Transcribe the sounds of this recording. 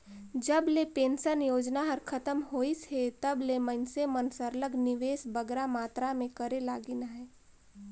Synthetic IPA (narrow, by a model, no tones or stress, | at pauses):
d͡ʒəblepẽːnsənjoːd͡ʒnaɦəɾkʰət̪əmɦoːisɦet̪əblemənsemənsəɾləɡnɪʋeːsbəɡɾamaːt̪ɾamẽkəɾelaːɡinaɦɛː